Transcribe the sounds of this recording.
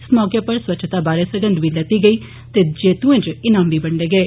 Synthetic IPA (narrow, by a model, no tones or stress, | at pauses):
ɪsmɔːkjaːpəɾswətːʃʰt̪aːbaːɾeːsəɡə̃nd̪ʋiːlət̪iːɡəiː | t̪eːd͡ʒeːt̪ũẽd͡ʒɪnãːmbiːbəɳɖeːɡeː